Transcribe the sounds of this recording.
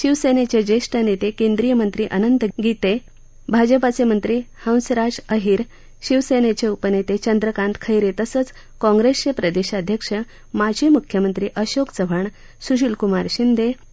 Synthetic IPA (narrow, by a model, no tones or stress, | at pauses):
ɕiʋsenet͡ɕed͡ʑeʂʈənet̪ekend̪ɾijəmənt̪ɾiːʔənənd̪ɡit̪e | bʱad͡ʑəpat͡semənt̪ɾiːhə̃w̃sɾad͡ʑəɦiːɾ | ɕiʋsenet͡ɕeupənet̪et͡ɕənd̪ɾəkãnt̪kʰəjɾet̪əsət͡s | kɔ̃ŋɡɾest͡ɕepɾəd̪eɕad̪ʱjəkʂə | mad͡ʑʱimukʰjəmənt̪ɾiːʔəɕokt͡səʋʱəɳ | suɕilkumaɾɕind̪ʱe